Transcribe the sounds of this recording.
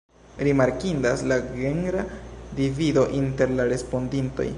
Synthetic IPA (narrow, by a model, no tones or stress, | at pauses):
ɾimaɾkindaslaɡeŋɡɾadivido̞ʔinte̞ɾlaɾe̞spo̞ndinto̞̰j